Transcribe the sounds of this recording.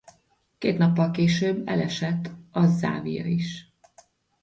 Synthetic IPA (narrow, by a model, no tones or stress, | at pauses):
keːt̪nɒpːɒlkeːʃøːbːɛ̰lɛʃɛt̪ːɒza̰ːvijɒ̰iʃ